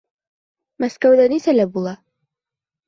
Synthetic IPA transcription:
mæskæwd̪ænisælæbulˠɑ

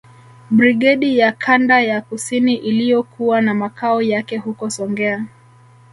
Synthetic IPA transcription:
bɾiɡɛɗijakʰandajakusiniʔilijɔkʰuwanamakʰaɔjakɛhukɔsɔŋɡɛa

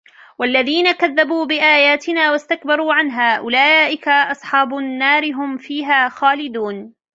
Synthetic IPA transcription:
walːaðiːnakaðːabuːbɪʔaːjaːt̪ɪnaːwast̪akbɑɾˤuːʕanɦaːʔʊlaːʔɪkaʔɑsˤħɑːbʊnːaːɾɪɦʊmfiːɦaːxaːlɪd̪uːn

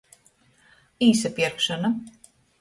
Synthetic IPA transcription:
iːsɛpiɛɾkʃana

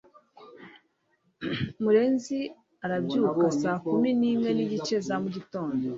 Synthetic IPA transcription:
muɾe̞ːnzi | aɾabɟuːkasaːkuminiːmwe̞niɟit͡ʃe̞zamuɟito̞ːndo

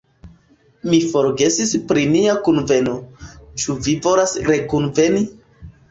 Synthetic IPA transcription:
mifo̞ɾɡe̞sispɾiniakunve̞no̞t͡ʃuvivo̞lasɾe̞kunve̞ni

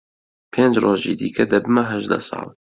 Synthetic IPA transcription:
pʰeːnd͡ʒroːʒḭːd̪iːkʰɐd̪ɐbɨmɐɦɐʒd̪ɐ̰sɑ̰ːlˠ

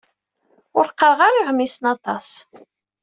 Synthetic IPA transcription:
ʊɾqːəɾʁaɾiʁmːisənɑt̪ˤɑs

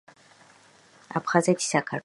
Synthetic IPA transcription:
apχazadʰi̥sakʰa

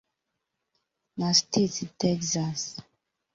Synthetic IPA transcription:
nastʰettɛksas

